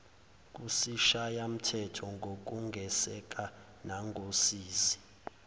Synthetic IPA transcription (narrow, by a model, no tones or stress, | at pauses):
k̬ʼusiʃajam̩tʰɛtʰɔŋɡʱok̬uŋɡʱɛsɛk̬ʼa | naŋɡʱosiːsi̥